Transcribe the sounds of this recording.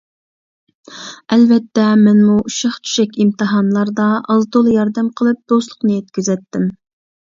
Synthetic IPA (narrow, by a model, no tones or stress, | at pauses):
ɛlvɛt̪ːɛmɛnmuuʃɑχt͡ʃʰy̥ʃɛkʲimt̪ɨɦɑnlˠɑɾd̪ɑɑzd̪olˠjɑɾd̪ɛmqʰəlˠɨp̚d̪̥oslˠʊqnɨjet̪̚kʲyzɛt̪ːɪm